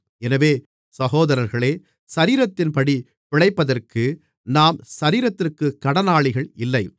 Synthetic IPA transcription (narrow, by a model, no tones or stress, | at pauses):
ɛnɐʋeː | sɐɣoːðɐɾɐɾɣɐɭeː | sɐɾiːɾɐt̪ːɪnpɐɽi | pɪɭɐɪpːɐðɐrkɯ | naːmsɐɾiːɾɐt̪ːɪrkɯkːɐɽɐnaːɭɪɣɐɭɪlːɐɪ